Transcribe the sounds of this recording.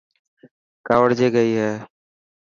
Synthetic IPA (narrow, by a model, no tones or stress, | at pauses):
kaːʋəɽd͡ʒeːɡəiːɦɛː